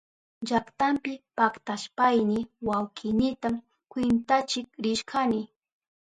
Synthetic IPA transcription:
d͡ʒakt̪ampɪpakt̪aʃpajnɪwawkʰɪnɪt̪am | kwɪnt̪at͡ʃɪk̚ɾɪʃkʰanɪ

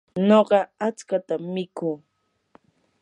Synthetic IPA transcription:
noɢɑat͡skat̪amːɪkuː

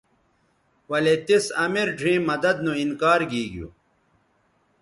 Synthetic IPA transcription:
wɐlet̪isɐmiɾɖʱĩːmːɐd̪ɐd̪nũinkaːɾɡiːɡjṵː

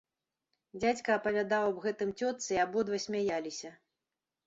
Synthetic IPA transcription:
d͡zʲat͡sʲkɐːpɐvʲad̪awɐbɣɛt̪ɨmt͡sʲɔt̪sɨiabɔd̪vɐsʲmʲajalʲisʲɐ

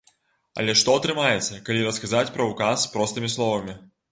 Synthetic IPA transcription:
ɐ̰lʲɛʂt̪ɔɐt̪ɾɨmajɛt̪sːɐkalʲiɾɐskazat͡sʲpɾɐukasːpɾɔst̪ɨmʲislˠɔvɐmʲi

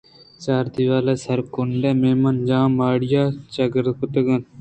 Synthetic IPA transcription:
t͡ʃaːɾd̪iʋaːlesɐɾkʊɳɖeːmeːmɐnd͡ʒãːmaːɽjaːt͡ʃɐɡəɾd̪kʰʊt̪əɡɐn

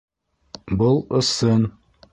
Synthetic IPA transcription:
bɤlˠɤ̆sɤn

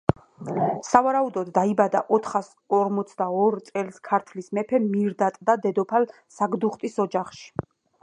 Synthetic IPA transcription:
savaɾaud̪ɔd̪ːaibad̪aʔɔt̪ʰχas | ɔɾmɔt̪sʰd̪aɔɾt̪sʼɛlskʰaɾt̪ʰlismɛpʰɛmiɾd̪at̪ʼd̪ad̪ɛd̪ɔpʰal | saɡd̪uχt̪ʼisɔd͡ʒaχʃi̥

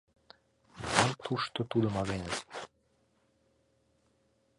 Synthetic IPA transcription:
ɑnt̪ʰuʃt̪ot̪ud̪ə̆mɑɣenə

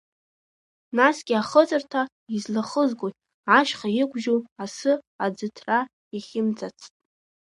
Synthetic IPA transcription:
nasɡʲɪaχət͡sʼɨrtʰa | izlaχəzɡʷʼoj | aʃχajɪkʷʒuwasɨ | ad͡zɨtʰra | iχʲɪmd͡zat͡sʰtʼ

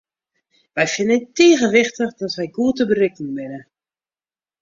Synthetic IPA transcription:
ʋɛjfɪnətiːɣəʋɪxtəxdɔtʋɛjɡuətəbərɪknəbɪnə

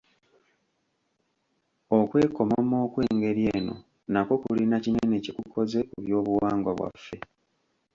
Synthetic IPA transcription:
okwe̞ːko̞mamo̞ːkwe̞ːŋɡe̞ɾje̞ːno̞̰ | nako̞kulinacinene̞cekukʰo̞ze̞ʔuβjo̞ːβuwaːŋɡwaβwa̰fːe̞

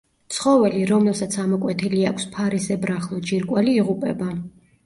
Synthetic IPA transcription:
t̪sʰχɔvɛliɾɔmlɛlsat̪sʰamɔkʼwɛt̪ʰiliakʷʰspʰaɾisɛbɾaχlˠɔd͡ʒiɾkʼwɛliːʁupʼɛba

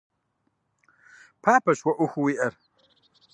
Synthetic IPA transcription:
pʰaːpɐɕwɐʔuxuwiʔɐɾ

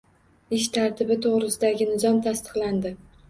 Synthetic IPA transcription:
ɪʃt̪ʰaɾt̪ʰɪbɪt̪ʰoʁɾɪsɪd̪aɡʲɪnɪzɒmt̪ʰast̪ʰɨ̥qland̪ɪ

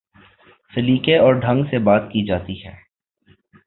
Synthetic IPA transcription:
sɪliːkeɔːɾɖʱɐ̃ŋɡsebaːt̪kid͡ʒaːt̪iɦɛ̰ː

